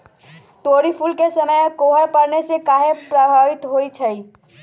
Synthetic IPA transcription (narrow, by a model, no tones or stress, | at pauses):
t̪oːɽipʰulkesəməjkoːɦəɾpəɽnesekaːɦepɾəɦaɾɪt̪ɦoːit͡ʃʰəi